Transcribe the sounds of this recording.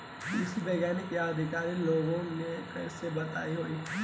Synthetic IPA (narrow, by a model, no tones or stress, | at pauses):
ɪsibɛɡjaːnikead̪ʱɪkaːɾiloːɡõnekɛːsebɐt̪a̰ːiɦoːiː